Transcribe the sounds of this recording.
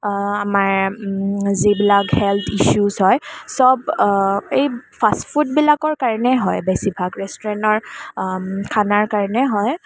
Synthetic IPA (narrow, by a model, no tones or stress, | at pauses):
amaɹ | zibilaɡhɛlt̪ʰiʃuzɦɔjsɔb̚ | ejpʰaspfʰut̚bilakɔɹkaɹɔnɛɦɔjbɛsibʱakɹɛstɔɹɛntɔɹ | kʰanaɹkaɹɔnɛɦɔj